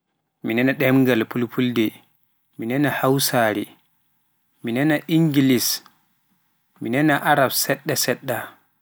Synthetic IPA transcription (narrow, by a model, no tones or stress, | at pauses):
minɛnaɗɛmɡalpulpʰuldɛ | minɛnahawsaːɾi | minɛnaʔiŋɡilis | minɛnaʔaɾabsɛɗːasɛɗːa